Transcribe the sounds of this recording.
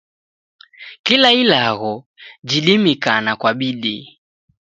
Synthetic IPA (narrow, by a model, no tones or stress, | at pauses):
kilailaɣɔ | d͡ʒilimikanakwaɓiɗḭ